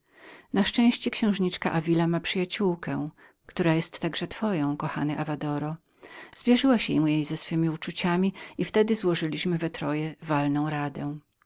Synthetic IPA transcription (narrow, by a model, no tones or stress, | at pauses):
naʂt͡ʂɛ̃w̃ɕt͡ɕɛkɕɛ̃w̃ʐɲit͡ʂka̰ʔavʲilamapʂɘjat͡ɕuwkɛ | kt̪uɾajɛst̪ːaɡʐɛt̪fɔjɔ̃w̃kɔxa̰nɘʔavad̪ɔɾɔ | z̥vʲjɛʐɘwaɕmujejzɛsfɘmʲiut͡ʂut͡ɕamʲiift̪ɛd̪ɘzwɔʐɘlʲiɕmɘvɛt̪ɾɔjɛvalnɔ̃w̃ɾad̪ɛ̃